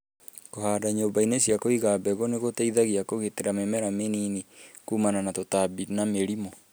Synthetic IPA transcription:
kohaːdaɲoːbainesjakoiɣabɛɣoneɣoteiðaɣiakoɣeteɾamemɛɾameninikuːmananatotabinameɾimo

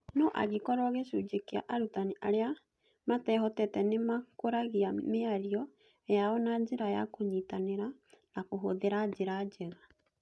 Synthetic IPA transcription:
nɔʔa̰ɣekɔɾɔɣeʃud͡ʒekea̰ʔaɾutaniʔaɾea | matɛɦɔtɛtɛnemakoɾaɣiameaɾiɔ | jaɔnad͡ʒeɾaja̰koɲitaneɾanakoɦoðeɾad͡ʑeɾad͡ʒɛɣa

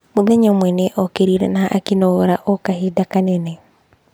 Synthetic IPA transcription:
momɛɲɔmwɛneʔɔkeɾiɾɛ̰naʔːkinɔoɾaʔɔkahidakanɛnɛ

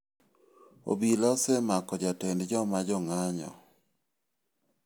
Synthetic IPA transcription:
o̰bilɔsɛmakɔd͡ʒatɛndd͡ʒɔmad͡ʒɔŋaɲɔ̰

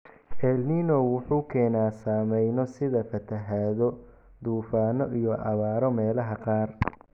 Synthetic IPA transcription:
ʔɛlniːnɔwʊħuːkʰɛːnaːsaːmɛjnɔsɪðɐfɐt̪ʰɐɦaːðɔ | d̪uːfaːnɔʔijɔʔɑβaːɾɔmɛːlɐɦɐqɑːr

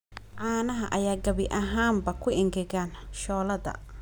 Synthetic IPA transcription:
ʕaːnɐɦɐʔɐjaːɡɐβɪʔɐɦaːmbɐkʰʊɪŋɡɛɣaːnʃɔːlɐðɐ̰

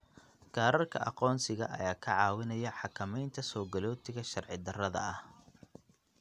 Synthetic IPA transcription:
ɡ̥aːɾɐrkʰɐ̰ʔɑqɔːnsɪɣɐ̰ʔɐ̰jaːkʰɐʕɑːwɪnɐjɐħɑkʰɐmɛjnt̪ʰɐsɔːɡɐlɔːt̪ʰɪɣɐʃɐrʕɪd̪ɐrɐðɐ̰ɐh

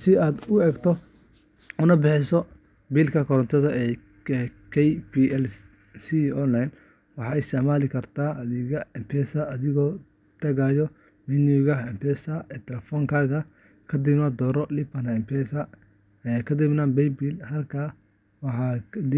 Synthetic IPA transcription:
sɪaːd̪ʊɛːɡt̪ʰɔ | ʊnɐbɪħɪsɔ | biːlkʰɐkʰɔɾɔnt̪ʰɐðɐɛ | ɛkʰɛjpiɛl | siɔnlːajn | wɑħɑːɛst̪ɪʕmaːlɪkʰɐrt̪ʰaːɐðɪɣɐɛmpʰɛːsɐɐðɪɣɔː | t̪ʰɐɣaːjɔ | minjuɣɐɛmpʰɛːsɐɛt̪ʰɛlɛfɔːŋkʰaːɣɐ | kʰɐd̪ɪbnɐd̪ɔːɾɔlɪpɐnɐmpʰɛsɐ | ɛkʰɐd̪ɪbnaːnbɛjbilhɐlkʰaː | wɑħɑːd̪ɪ

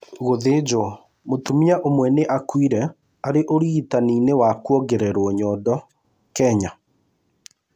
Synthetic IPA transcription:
ɣoðed͡ʒw | motumiaʔomwɛneʔakwiɾɛ | aɾeʔoɾitaninewakwɔɡeɾɛɾoɔɲɔdɔ | kɛɲa

